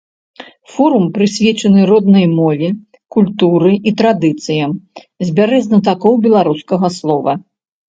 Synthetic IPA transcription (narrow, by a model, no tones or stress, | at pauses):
fɔɾumpɾɨsʲvʲɛt͡ʂɐnɨɾɔd̪̚nɐjmɔvʲi | kulʲt̪uɾɨʔit̪ɾad̪ɨt̪sɨjɐm | zʲbʲaɾɛzʲnɐt̪̬akɔwbʲɛlˠaɾuskɐɣɐslˠɔvɐ